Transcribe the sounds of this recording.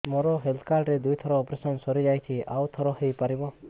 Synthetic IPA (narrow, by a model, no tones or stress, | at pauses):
mɔɾɔɦelt̪ʰkaɾʈɾed̪ujt̪ʰɔɾɔːpɾesɔnsɔɾid͡ʒajt͡ʃʰia̰wt̪ʰɔɾɔɦejpaɾibɔ